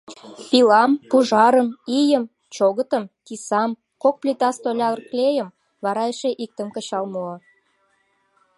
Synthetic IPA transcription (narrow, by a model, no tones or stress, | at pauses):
pilɑmpuʒɑɾəmijəm | t͡ɕoɣət̪ə̆mkisɑm | kok̚plʲit̪ɑst̪olʲɑrklʲejəm | βɑɾɑjeʃeʔik̚t̪əmkə̆t͡ɕɑlmo